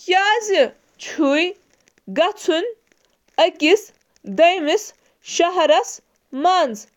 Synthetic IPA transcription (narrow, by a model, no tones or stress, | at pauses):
jaːzi | t͡ʃʰuj | ɡɐt͡sʰun | ɐɡʲis | d̪ɐjmis | ʃaɦɐɾɐs | maːnd͡z